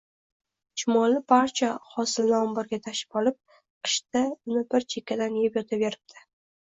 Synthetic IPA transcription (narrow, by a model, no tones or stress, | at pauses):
t͡ʃʰɪmɒlɪpʰaɾt͡ʃʰaχɒsɪlnɒmbɨɾɡʲat̪ʰaʃɪ̥pɒlˠɪp̚ | qɨ̥ʃt̪aʊnɪbɪɾt͡ʃʰe̞kʲʰːad̪anjejɪpjɒt̪ʰabeɾɪb̚d̪̥ʰɪ̥